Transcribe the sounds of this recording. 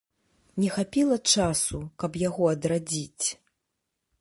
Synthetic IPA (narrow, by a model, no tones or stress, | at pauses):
nʲɛxapʲilˠɐt͡ʂasukɐpjaɣɔɐd̪ɾad͡zʲit͡sʲ